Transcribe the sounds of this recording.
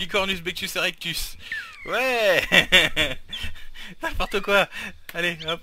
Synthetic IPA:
ikɔʁnysbɛk̚t̪yseʁɛk̚t̪ys | wɛ | nɛ̃pɔʁt̪əkwaaleɛ̃p

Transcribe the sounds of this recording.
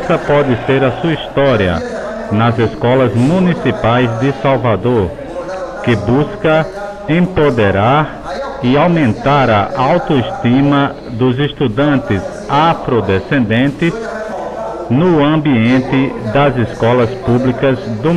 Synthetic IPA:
sɐpɔd̪ɪseɾɐsuɐist̪ɔɾiɐ̰ | nɐzeskɔlɐzmũnisipajzd̪ɪsawvad̪oɾ | kɪbuskɐ | ẽpod̪eɾaɾ | ɪawmẽnt̪aɾɐʔawt̪oist̪ĩmɐ | d̪ʊzɪst̪ud̪ɐ̃nt̪ɪz | afɾod̪esẽnd̪ẽnt̪ɪs | nʊɐ̃mbiẽnt̪ɪd̪ɐzɪskɔlɐspublikɐzd̪ʊ

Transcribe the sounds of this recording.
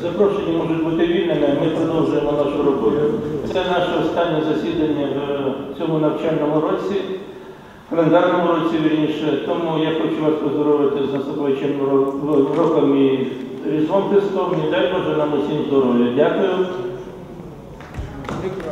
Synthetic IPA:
zɐpɾɔʃenʲːimɔʒʊtʲbut̪ɪʋʲilʲnɪnɛmɪpɾɔd̪ɔwʒʊjemɔnaʃʊɾɔbɔjʊtsɛnaʃɛɔst̪ɑnʲːɛzɐsʲid̪ɐnʲːɐwt͡sʲɔmʊnɐwt͡ʃɛlʲnɔmʊɾɔt͡sʲi | kɐlˠend̪arnɔmʊɾɔt͡sʲiʋiɾʲinʃɛt̪ɔmujaxɔt͡ʃuʋasʲpɔzd̪ɔɾɔʋɪt̪ɪzɐsɐpˠɪt͡ʃɛn | ɾɔkɐmiɾʲizʋɔnt̪ɪst̪ɔmʲid̪ajbɔʒɛnamɔsʲinʲzd̪ɔɾɔjʊdʲakʊjʊ

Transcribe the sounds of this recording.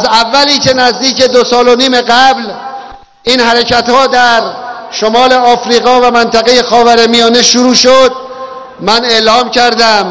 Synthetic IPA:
ʔæzævːæliːce̞næzd̪iːce̞d̪osɒːloniːme̞ɡæbl | ʔiːnhæɾecʰæt̪hɒːd̪æɾ | ʃomɒːle̞ɒːfɾiːɣɒːvæmænt̪ʰæɣe̞je̞xɒːvæɾemijɒːneʃuɾuːʃod̪̚ | mæne̞ʔlɒːmcʰæɾd̪æm

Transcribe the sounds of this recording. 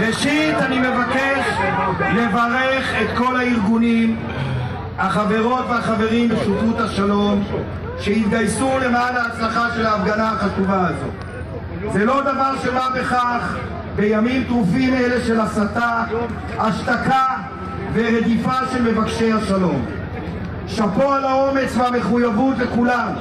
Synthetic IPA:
ʁeʃit̪anime̞vakeʃle̞vaʁeχe̞t̪ko̞laiʁɡunim | haχave̞ʁo̞t̪veaχave̞ʁimbesutut̪haʃalo̞m | ʃeit̪̚ɡajsule̞maːlaːt͡slaχaʃe̞laːfɡanaaχatuvaazo̞̰t | zelo̞d̪avaʁʃe̞babe̞χaχ | be̞jamimt̪ʁufimele̞ʃe̞lasat̪a | aʃt̪aka | ve̞ʁed̪ifaʃelme̞vakʃe̞jhaʃalo̞m | ʃapoalao̞me̞t͡sveame̞χujavut̪le̞kulam

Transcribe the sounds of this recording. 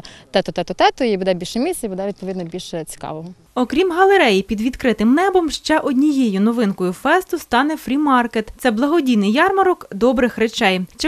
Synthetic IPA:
t̪ɛt̪ʊt̪ɛt̪ʊt̪ɛt̪ʊibʊd̪ɛbʲilʲʃɛmʲisʲɐibʊd̪ɛʋʲid̪̚pɔʋʲid̪nɔbʲilʲʃɛt͡sʲi̥kɑ̰ʋɔɦɔ | ɔkɾʲimɦɐlˠeɾɛjipʲid̪ʋʲid̪kɾɪt̪ɪmnɛbɔmʃt͡ʃɛʔɔdʲnʲijejʊnɔʋɪnkɔjʊfɛst̪ʊst̪ɑnɛfɾʲimɑrket̪t̪sɛblˠɐɦɔdʲijnɪjɑrmɐɾɔkd̪ɔbɾɪxɾet͡ʃɛjt͡ʃɪ

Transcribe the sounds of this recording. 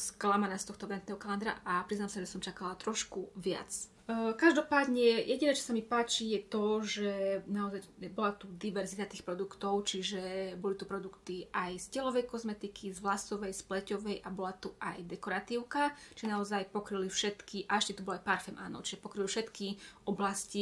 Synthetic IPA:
sklamanaːst̪ɔxt̪ɔʋɛnt̪nɛɦɔkaland̪ɾa̰ʔʔapɾiznamsaʒɛsɔmt͡ʃakalat̪ɾɔʃkuʋɪa̰t͡s | kaʒd̪ɔpaːd̪ɲɛjɛɟinɛːt͡ʃɔ̥samipaːt͡ʃijɛt̪ɔʒɛnaɔzajbɔlat̪ud̪iʋɛɾzit̪at̪iːxpɾɔd̪ukt̪ɔʊt͡ʃiʒɛbɔlit̪upɾɔd̪ukt̪iʔajscɛlɔʋɛjkɔzmɛt̪ikʰizʋlasɔʋɛjsplɛcɔʋɛjʔabɔlat̪uʔajd̪ɛkɔɾat̪iʊkat͡ʃiʒɛnaɔzajpɔkɾilifʃɛt̪kʰiʔaʃcɛt̪ubɔlɔajpaɾfɛmʔa̰ːnɔ̰t͡ʃiʒɛpɔkɾilifʃɛt̪kiɔblasci

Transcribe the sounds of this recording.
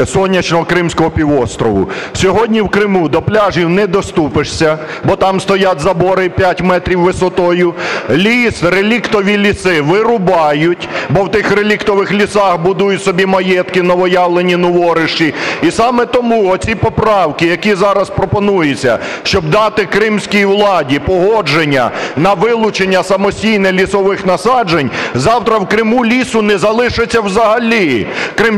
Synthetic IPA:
sɔnʲːɐt͡ʃnɔɦɔkɾɪmsʲkɔɦɔpʲiʋɔst̪ɾɔʋʊ̰sʲɔɦɔdʲnʲiwkɾɪmud̪ɔplʲaʒiwnɛd̪ɔst̪upɪʂsʲɐ | bɔt̪ɑmst̪ɔjat̪ʲzɐbɔɾɪpʲjatʲmɛt̪ɾʲiwːɪsɔt̪ɔjʊlʲisrelʲikt̪ɔʋʲilʲisɪʋɪɾʊbɑjʊtʲbɔwt̪ɪxrelʲikt̪ɔʋɪxlʲisɑxbʊd̪ujʊtʲsɔbʲimɐjɛt̪kɪnɔʋɔjɑwlˠenʲinɔʋɔɾɪʃt͡ʃiisɑmɛt̪ɔmuɔt͡sʲipɔpɾɑwkɪjɐkʲizɑɾɐspɾɔpɔnujʊt͡sʲːɐ̰ʃt͡ʃɔbd̪ɑt̪ɪkɾɪmsʲkʲijiwlˠɑdʲipɔɦɔd͡ʒenʲːɐ̰nɐʋɪlˠʊt͡ʃenʲːɐsɐmɔsʲtʲijnɛlʲisɔʋɪxnɐsɑd͡ʒenʲzɑwt̪ɾɐwkɾɪmulʲisʊnɛzɐlˠɪʃɪt͡sʲːɐwzɐɦɐlʲikɾɪm

